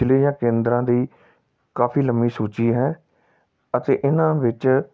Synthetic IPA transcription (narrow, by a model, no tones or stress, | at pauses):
leːjãːkẽːnd̪ɾãːd̪iː | kaːpʰiːləmbiːsuːt͡ʃiːɦɛː | ət̪ḛːʔɪnãːʋɪt͡ʃ